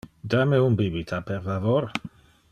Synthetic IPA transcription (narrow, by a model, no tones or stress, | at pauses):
d̪ameumbibit̪ʰapeɾfavoɾ